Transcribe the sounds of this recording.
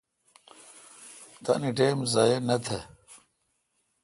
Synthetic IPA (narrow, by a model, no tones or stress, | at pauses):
t̪ɐ̰niʈeːmzajenɐt̪ʰɐ